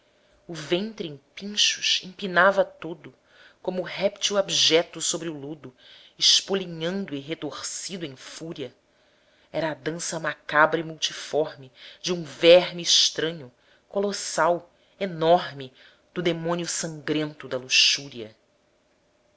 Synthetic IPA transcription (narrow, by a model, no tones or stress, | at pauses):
ʊvẽnt̪ɾɪẽpĩʃuʃẽpinavɐt̪od̪ʊ | kõmːɦɛpt͡ʃuabiʒɛt̪ʊsobɾɪulud̪ʊ | ɪʃpoliɲɐ̃nd̪ʊɪɦet̪oɾsid̪ʊẽj̃fuɾiɐ | ɛɾɐːd̪ɐ̃sɐmakabɾɐimuwt͡ʃifɔɾmɪd͡ʒũvɛɾmɪːʃt̪ɾɐ̃ɲʊ | kolosaw | enɔɾmɪ | d̪ʊd̪emõniʊsɐ̃ŋɡɾẽnt̪ʊd̪ɐluʃuɾiɐ